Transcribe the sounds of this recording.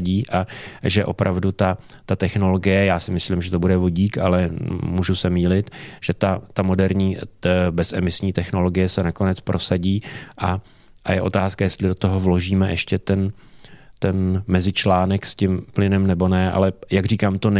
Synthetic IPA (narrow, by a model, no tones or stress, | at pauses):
ɟiːʔaʒɛʔo̞pɾʔavdut̪at̪at̪ɛxno̞lo̞ɡɪjɛjaːsɪmɪslɪmʒɛt̪o̞budɛvo̞ɟiːkalɛmuːʒusɛmiːlɪt̪ʒ̥ɛt̪at̪amo̞dɛɾɲiːbɛsɛmɪsɲiːt̪ɛxno̞lo̞ɡɪjɛsɛnako̞nɛt͡spɾʔo̞saɟiːʔa | ʔajɛʔot̪aːskajɛst̪lɪdo̞t̪oɦovlo̞ʒiːmɛʔɛʃcɛt̪ɛn | t̪ɛnmɛzɪt͡ʃlaːnɛkscɪmplɪnɛmnɛbo̞nɛʔa̰lɛjaɡr̝iːkaːmt̪o̞n